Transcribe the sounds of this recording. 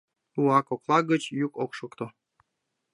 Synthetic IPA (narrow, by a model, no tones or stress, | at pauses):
uɑkoklˠɑɡət͡ɕjukokʃokt̪o